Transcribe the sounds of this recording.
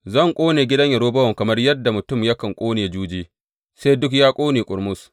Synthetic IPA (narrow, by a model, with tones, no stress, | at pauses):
zɐ˦˨ŋkʷʼoː˦neː˨ɡʲɪ˦dɐ˦ɲjɐ˨ɽoː˦bɐ˦wɐ˨ŋkɐ˨mɐ˦rjɐ˦dːa˨mʊ˨tʊ˦˨mjɐ˦kɐ˨ŋkʷʼoː˦neː˨d͡ʒuː˦d͡ʒiː˦ | seː˦jdʊ˦k̬jaː˦kʷʼoː˦neː˨kʷʼʊ˨ɾmʊ˦s